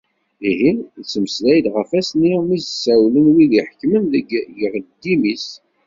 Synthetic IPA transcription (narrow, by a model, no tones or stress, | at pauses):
iɦinsːəmslæjd̪ʁəfæsnimizəsːæwlənwiðiħə̥kːmənðəɡjəʁd̪ːimis